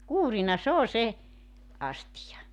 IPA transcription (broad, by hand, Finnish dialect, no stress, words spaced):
kuːrinɑ s oː se ɑstijɑ